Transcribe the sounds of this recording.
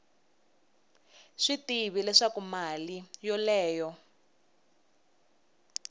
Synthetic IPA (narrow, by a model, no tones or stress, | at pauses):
ʂitiβilɛʂakumalijɔlɛːjɔ